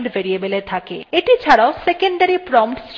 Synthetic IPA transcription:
ɖbʱeɾiebelet̪ʰakeeʈit͡ɕʰaɽaosekeɳɖaɾipɾɔmpʈsʈ

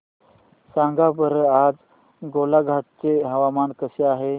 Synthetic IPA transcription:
sãŋɡabəɾaːd͡z | ɡoːlaɡʱat̪̚t͡seɦɐʋamaːnkəseaːɦe

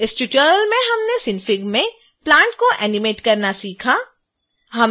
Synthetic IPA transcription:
ɪsʈʊʈəːɾəlmẽɦɐmnesɪnfɪɡmẽ | plãːɳʈkoʔɛːnɪmeːʈkɐɾnasiːkʰa | ɦɐm

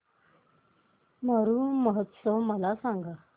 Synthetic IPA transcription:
məɾuːməɦət̪səʋməlasaŋɡa

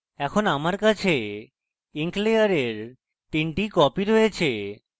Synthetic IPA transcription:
ɛkʰonamaɾkat͡ɕʰe | iŋklejaɾeɾ | t̪iɳʈikɔpiɾojet͡ɕʰe

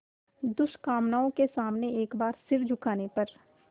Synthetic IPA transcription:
d̪ʊʃkaːmnaːõkesaːmneeːkbaːɾsɪɾd͡ʒʱʊkaːnepɐɾ

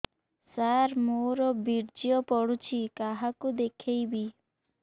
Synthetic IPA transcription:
saɾmoɾɔbiɾd͡ʒiɔpɔɽut͡ʃʰikaɦakud̪ekʰejbi

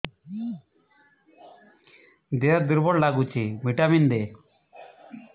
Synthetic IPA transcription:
d̪eaɾd̪iɾbɔɽlaɡut͡ʃʰimiʈamind̪e

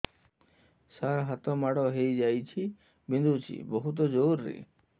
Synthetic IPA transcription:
saɾɦat̪ɔmaɽɔɦejd͡ʒajt͡ʃʰi | bind̪ut͡ʃʰḭbɔɦut̪̬ɔd͡ʒowɾːḭ

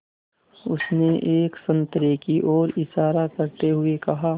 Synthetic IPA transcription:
ʊsneʔeːksɐ̃nt̪ɾekiʔɔːɾɪʃaːɾakɐɾt̪eɦʊekɐɦaː

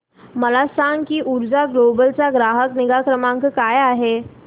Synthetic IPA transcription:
məlasaŋkiːʔuɾd͡zaɡlobəlt͡saɡɾaɦəkniɡakɾəmãŋkkajaɦe

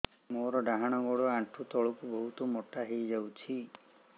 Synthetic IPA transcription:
moɾɔɖaɦaɽ̃ɔɡɔɽɔaʈʰut̪ɔɭɔkubɔɦut̪ɔmɔʈaɦejd͡ʒawt͡ʃʰi

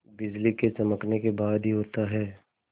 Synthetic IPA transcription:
bɪd͡ʒliket͡ʃɐməknekebaːd̪ɦiɦoːt̪aɦɛː

